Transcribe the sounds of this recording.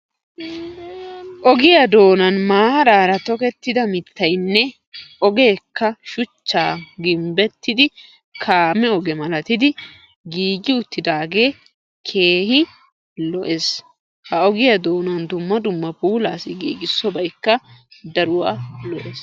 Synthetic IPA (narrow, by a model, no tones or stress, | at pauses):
ʔɔɡɪjɐd̪o̞ːnɐnmaːɾaːɾɐt̪ɔkɛt̪ːɪd̪ɐmɪt̪ːɐjnːɛ | ʔɔɡe̞ːkːɐʃʊt͡ʃːaːɡɪmbɛt̪ːɪd̪ɪ | kʰaːmɛɔɡɛmɐlɐt̪ɪd̪ɪ | ɡiːɡɪʊt̪ːɪd̪aːɡe̞ː | kʰe̞ːhɪ | lɔʔes | hɐɔɡɪjɐd̪o̞ːnɐnd̪ʊmːɐd̪ʊmːɐpuːlaːsɪɡiːɡɪsːɔbɐjkːɐd̪ɐɾʊwaːlɔʔeːs